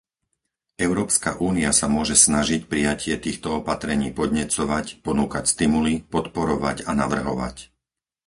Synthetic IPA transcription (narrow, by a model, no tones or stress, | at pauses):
ɛʊɾɔːpska̰ʔuːniasamʊɔʒɛsnaʒicpɾijacɪɛt̪iːxt̪ɔɔpat̪ɾɛɲiːpɔd̪ɲɛt͡sɔʋacpɔnuːkacst̪imulipɔt̪pɔɾɔʋacanaʋr̩ɦɔʋa̰c